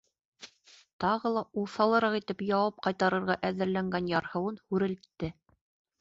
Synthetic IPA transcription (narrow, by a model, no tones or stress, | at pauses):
t̪ɑʁɤlˠɑulˠθɑlˠɤ̆ɾɑqit̪ɘpjɑwɑp̚qɑjt̪ɑɾɤ̆ɾʁɑʔæðɘ̆ɾlæŋɡænjɑɾhɤ̆wɤnhʉɾɘ̆lt̪ːɘ